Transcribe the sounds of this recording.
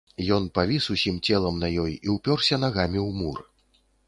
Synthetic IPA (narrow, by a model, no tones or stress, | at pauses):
jɔnpavʲisusʲimt͡sʲɛlˠɐmnɐjɔjiwpʲɔrsʲɐnaɣamʲiwmurɨ